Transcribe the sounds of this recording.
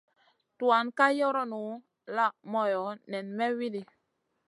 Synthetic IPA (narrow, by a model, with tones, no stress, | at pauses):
tu˨a˨˦nka˦jɔ˦ɾɔ˦nu˨˦ | la˦˨mɔ˨jɔ˨˦nɛ˨nmɛ˦wi˦di˨